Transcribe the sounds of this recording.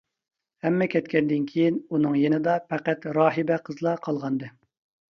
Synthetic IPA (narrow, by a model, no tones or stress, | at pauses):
hɛmːɛkʲɛt̪kʲɛnd̪ɪnkʲʰejinunɨŋjenɨd̪ɑpʰæqæt̪ɾɑːɦɨbɛqʰəzlˠɑqʰɑlˠʁɑnd̪ɨ